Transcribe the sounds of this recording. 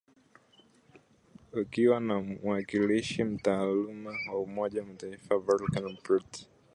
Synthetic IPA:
ukiwanawakiliʃim̩taːlumawaumɔʄawmataifavɔlkanpit

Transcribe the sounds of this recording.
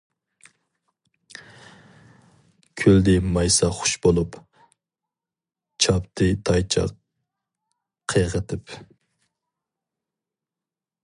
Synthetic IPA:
kʲʰøld̪ɪmɑjsɑχʊ̥ʃbolˠup | t͡ʃʰɑpt̪ʰɨt̪ʰɑjt͡ʃʰɑ̰ | qʰəʁət̪ʰɪp

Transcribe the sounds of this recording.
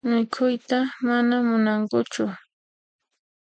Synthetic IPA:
mɪkʰʊjt̪amanamʊnaŋkʊt͡ʃʊ

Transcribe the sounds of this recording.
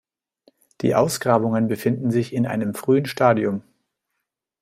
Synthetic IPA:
d̥ḭːʔa̰ʊsɡ̥ʁaːbʊŋənbəfɪndn̩zɪçɪnʔa̰ɪnəmfʁ̥yːənʃtaːdiʊm

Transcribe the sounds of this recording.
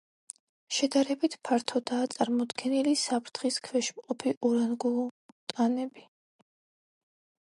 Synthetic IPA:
ʃɛd̪aɾɛbit̪ʰpʰaɾt̪ʰɔd̪aːt̪sʼaɾmɔd̪ɡɛnilisapʰɾt̪ʰχiskʰwɛʃmqʼɔpʰiʔuɾanɡut̪ʼanɛbi

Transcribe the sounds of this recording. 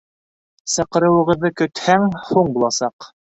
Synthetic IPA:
sɤ̆qɤ̆ɾɤ̆wɤ̆ʁɤ̆ðːɤkɵ̆t̪hæŋhuɴbulˠɑsɑq

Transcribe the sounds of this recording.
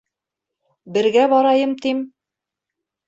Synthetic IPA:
bɘ̆ɾɡæbɒɾɑjɤmt̪im

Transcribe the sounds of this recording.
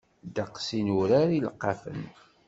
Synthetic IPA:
d̪ɑqsinuɾaɾilqːɑfə̰n

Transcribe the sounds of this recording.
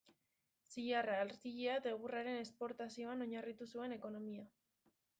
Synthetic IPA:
siʎaraeɾt̪iʎiad̪e̞ɣ̞uraɾe̞ne̞spo̞ɾt̪asio̞ano̞ɲarit̪usue̞ne̞ko̞no̞mia

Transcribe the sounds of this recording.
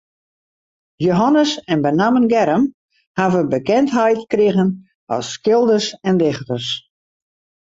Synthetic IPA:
joɦanəsɛnbənamənɡɛɾəm | havəbəkɛntɦɛjtkrɪɣən | ɔ̰sːkɪlˠdərsɛndɪxtərs

